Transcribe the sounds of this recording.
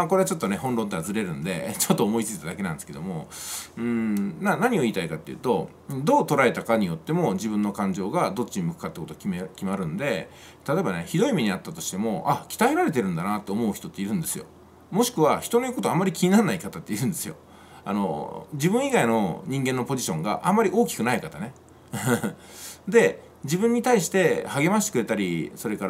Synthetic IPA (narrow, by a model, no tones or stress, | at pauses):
mako̞ɾe̞at͡ɕo̞t̪ːo̞ne̞hõnɾo̞nt̪eazɨɾe̞ɾɯ̟̃nd̪e̞̰t͡ɕot̪ːoːmo̞it͡sɨi̥t̪ad̪akeãnd̪eɨ̥ked̪o̞̰mo̞ɯ̟̃ɴnanaɲ̟io̞iːt̪aikat̪ːe̞jɯ̰ːt̪o̞ | d̪o̞ːt̪o̞ɾae̞t̪akaɲ̟ijo̞t̪ːe̞mo̞d͡ʑibɯ̟̃nːo̞kãɲ̟d͡ʑo̞ːɡad̪o̞t͡ɕːiɲimɯ̟kɯ̥kːat̪eko̞t̪okʲkʲimaɾɯ̟̃nd̪e̞ | t̪at̪oe̞bane̞çid̪o̞imeɲ̟iat̪ːat̪o̞ɕi̥t̪e̞mo̞akʲi̥t̪aiɾaɾe̞t̪̬e̞ɾɯ̟̃nd̪anat̪ːe̞omo̞ɯ̟çi̥t̪o̞t̪ːe̞iɾɯ̟̃nd̪e̞sɨjo̞̰ | mo̞ɕi̥kɯ̟βaçi̥t̪o̞no̞jikot̪oamːaɾʲikʲiɲ̟inanːaikat̪at̪ːeiɯ̟nd̪e̞sɨjo̞̰ | a̰no̞̰d͡ʑibɯ̟̃ɰ̃iɡaino̞̰ɲ̟ĩŋɡẽ̞nːo̞po̞ʑiɕõ̞ŋɡa̰ʔãmːaɾʲiʔo̞ːkʲi̥kɯ̟naikat̪ane̞ | d̪e̞ | d͡ʑibɯ̃ɲ̟ːit̪aiɕi̥t̪e̞haɡe̞maɕit̪ekɯ̟ɾe̞t̪aɾʲiso̞ɾe̞kaɾ